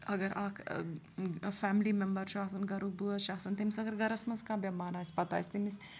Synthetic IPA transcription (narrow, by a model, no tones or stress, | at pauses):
ɐɡɐɾak | fæmlimɛmbɐɾʃuaːsɐnɡɐɾuk̚buɐʃaːɦsɐnt̪emisɐɡɐɾɡɐɾɐsmɐnskãːbjɐmaːɾaːjsʲpɐt̪a̰jsʲt̪emis